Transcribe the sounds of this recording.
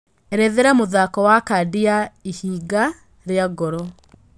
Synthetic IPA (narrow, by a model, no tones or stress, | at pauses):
ɛɾɛðeɾɛmoðakɔwakadiaihiːɡa | ɾeaɡɔɾɔ